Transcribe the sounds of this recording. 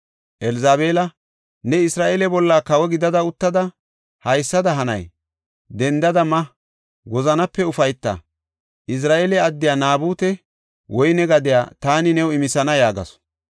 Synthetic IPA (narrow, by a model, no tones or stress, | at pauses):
ʔɛlzaːbe̞ːlɐ | nɛɪsɾaːʔeːlɛbɔlːaːkɐwɛɡɪd̪ɐd̪ɐʊt̪ːɐd̪ɐ | hɐjsːɐd̪ɐɦɐnɐ̰j | d̪ɛnd̪ɐd̪ɐmɐ | wɔzɐnɐpːɛʊfɐjt̪ːɐ̰ | ʔɪs̬ɾaːʔeːlɛɐd̪ːɪjaːnaːbuːt̪ɛ | wʔɔjnɛɡɐd̪ɪja̰ːt̪aːnɪnɛwɪmɪsɐnɐjaːɡɐ̰s